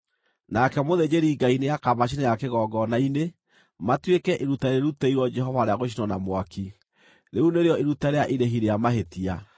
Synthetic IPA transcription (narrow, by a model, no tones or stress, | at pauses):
nakɛmoðed͡ʒeɾiːɡainejakamaʃ̬inajakeɣɔːɡɔnaine | matwekɛʔiɾutaeɾeɾuteiɾwɔd͡ʒɛɦɔvaɾeaɣoʃ̬inɔnamwakʰi | ɾeuneɾeɔeɾutaɾeaʔiɾeɦiɾejamaɦetia